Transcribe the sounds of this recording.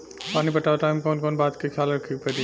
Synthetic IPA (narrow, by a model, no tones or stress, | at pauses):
paːnipɐʈaːʋʈaːɪmkɔːnkɔːnbaːt̪kekʰjaːlɾɐkʰipɐɾi